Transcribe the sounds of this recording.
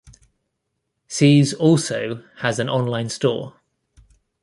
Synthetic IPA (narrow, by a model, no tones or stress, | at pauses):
siːzɔˑlˠsəʊəzə̃nɒ̃nlãɪ̃nstɔ̰ː